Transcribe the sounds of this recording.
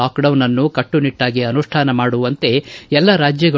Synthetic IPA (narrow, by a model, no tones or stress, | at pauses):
aːkɖɐwnɐnːukɐʈːuniʈːaːɡiɐnuʂʈʰaːnɐmaːɽuʋɐnt̪e̞ɛlːɐɾaːd͡ʒjɐɡɐ